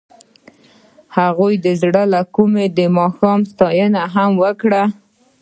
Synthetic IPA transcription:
haɣujd̪əzɽəlakumed̪əmɑxɑmst̪ɑjənaɦamwəkɽa

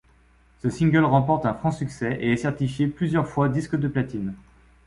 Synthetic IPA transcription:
səsĩŋɡʲœlʁɑ̃pɔʁt̪ɛ̃fχɑ̃syksɛʔeɛsɛʁt̪ifjeplyzjœʁfwad̪iskd̪əplat̪in

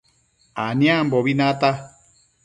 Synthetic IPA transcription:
anĩambɔβinata

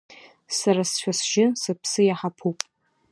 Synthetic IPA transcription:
saɾasʃʷᶣʰasʒɪsɨpʰsɨjaħapʰupʼ

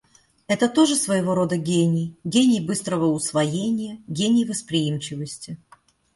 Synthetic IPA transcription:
ɛt̪ət̪o̞ʐɨsvəjɪvo̞ɾo̞d̪əɡʲenʲɪjɡʲenʲɪjbɨst̪ɾəvəʊsvɐjenʲɪjəɡʲenʲɪjvəspɾʲɪimt͡ɕɪvəsʲtʲɪ

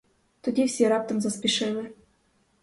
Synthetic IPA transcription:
t̪ŭd̪ʲifsʲeɾɑp̚t̪ɤ̆mzaspʲiʃelʲɘ̆

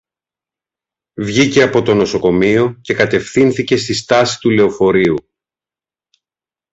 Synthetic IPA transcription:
vʝice̞ɐpo̞t̪o̞no̞so̞ko̞mio̞ce̞kɐt̪e̞fθinθice̞st̪ist̪ɐsi̥t̪ule̞o̞fo̞ɾiu

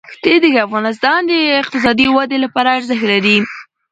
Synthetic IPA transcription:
xt̪ed̪eɡafɣɑnɪs̬t̪ɑnd̪əɪq̚t̪ɪs̬ɑd̪iwad̪elapɑɾaːɾzəxt̪laɾi

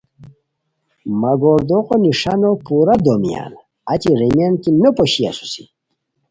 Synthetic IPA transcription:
maɡoɾd̪oqoniʂanopuɾad̪omija̰n | at͡ɕiɾemjankinopoɕia̰su̥si

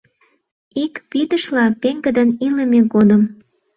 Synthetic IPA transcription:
ikpid̪əʃlɑpeŋɡəd̪əniləmeɡod̪əm

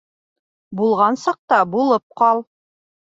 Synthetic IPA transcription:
bulˠʁɑnsɑq̚t̪ɑbulˠɤp̚qɑlˠ

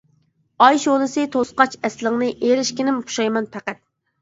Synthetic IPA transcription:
ɑjʃolˠɨsɨt̪ʰosqɑt͡ʃɛslɪŋnɨʔeɾɪʃkʲɪnɪmqʰu̥ʃɑjmɑnpʰæqæt̪̚

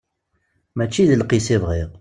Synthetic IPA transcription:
mæt͡ʃːiðəlqisɪvʁiʁ

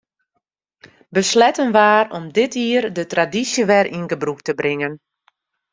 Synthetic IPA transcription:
bəslɛtənʋaːrɔmdɪtiːərdətradisjəʋɛrʔinɡəbruktəbrɪŋən

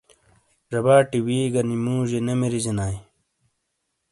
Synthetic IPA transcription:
ʐɐbaːʈiwiːɡɐnimuːʑenemeɾizenaːj

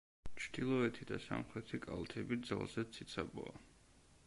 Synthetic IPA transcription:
t͡ʃʰd̪̥ilˠɔɛt̪ʰid̪asa̰mχɾɛt̪ʰikʼa̰lˠt̪ʰɛbid̪za̰lˠzɛt̪sʰit̪sʰabɔ̰a

